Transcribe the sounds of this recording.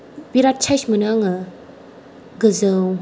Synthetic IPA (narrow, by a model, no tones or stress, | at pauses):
b̥iɾat̚t͡ʃʰajsmɯnaŋɯ | ɡɯzɯw